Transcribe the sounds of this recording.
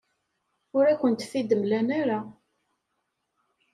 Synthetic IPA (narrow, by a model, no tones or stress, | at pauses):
ʊɾækʷːənt̪θid̪əmlænaɾa